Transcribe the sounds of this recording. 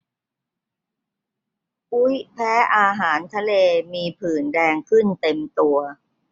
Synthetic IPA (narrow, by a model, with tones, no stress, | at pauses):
ʔu˦˥jpʰɛː˦˥ʔaː˧ɦaː˩˦nt̪ʰa˧leː˧miː˧pʰɯː˨˩ndɛː˧ŋkʰɯ˥˩nt̪e˧mt̪u˧ɐ